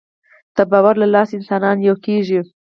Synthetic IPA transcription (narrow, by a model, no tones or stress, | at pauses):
t̪abɑwaɾlalɑsɪnsɑnɑnjawkeʒi